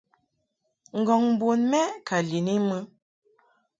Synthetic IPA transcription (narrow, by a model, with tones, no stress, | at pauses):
ŋ̩˨ɡɔ˨ŋm˦bo˨nmɛ˦kʰa˨li˨ni˦mə˦